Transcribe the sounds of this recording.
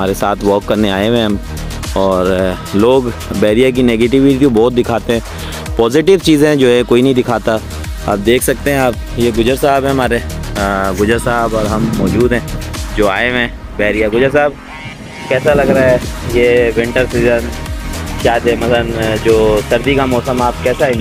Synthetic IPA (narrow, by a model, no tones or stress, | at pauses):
maːɾesaːt̪ʰʋɔːkːɐɾneaːeʋẽɦɐm | ɔːɾ | loːɡbɛːɾijak̬ineːɡeːʈɪʋɪʈit̪õbɔːt̪̚d̪ɪkʰaːt̪eɦɛ̃ː | pɔːzɪʈɪʋt͡ʃiːzẽd͡ʒoːɦɛ̃koːinɐɦĩd̪ɪkʰaːt̪a | a̰ːp̚d̪eːkʰsɐk̚t̪eɦɛ̃aːp̚ | jeɡʊd͡ʒəɾsaːbɦɛ̃ɦɐmaːɾe | ɡʊd͡ʒəɾsaːbɔːɾɦɐmːɔːd͡ʒuːd̪ɦɛ̃ːd͡ʒoːaːemẽː | bɛːɾijaɡʊd͡ʒəɾsaːb̚ | kɛːsalɐɡɾaːɦɛjewɪ̃ɳʈəɾsiːzən | kjaːt̪emɐslənd͡ʒoːsɐɾd̪ikamɔːsəmaːpkɛːsaːẽ